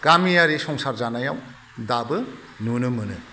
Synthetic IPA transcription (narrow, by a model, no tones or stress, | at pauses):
ɡ̥amijaɾisɔŋsaɾzanajaw | dabɯ | nunɯmɯnɯ